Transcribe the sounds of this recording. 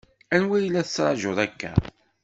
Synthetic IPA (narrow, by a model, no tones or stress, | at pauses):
ænwæjlːæθət͡sːɾˤɑ̰ʒoðˤækːæ̰